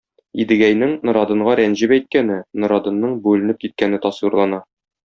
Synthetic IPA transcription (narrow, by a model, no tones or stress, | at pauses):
id̪ɘ̆ɡæjnɘŋnŏɾɑd̪ɤ̆ɴɢɑɾænʑɘbæjt̪̚kænɘnŏɾɑd̪ɤ̆nːɤɴbʉlɘ̆nɘp̚kit̪̚kænɘt̪ɒswiɾlˠɑnɑ